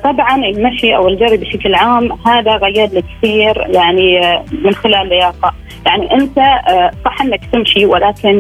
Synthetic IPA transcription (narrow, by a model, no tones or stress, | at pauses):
t̪ˤɑbʕɑnɪlmaʃiʔawɪld͡ʒɑɾˤːibɪʃaklʕaːmhaːðaɣajːɑd̪likθiːɾjaʕnimɪnxɪlaːlːɪjɑːqɑ | jaʕniʔɪnt̪asˤɑːħʔɪnːakt̪ɪmʃiwɪlaːkɪn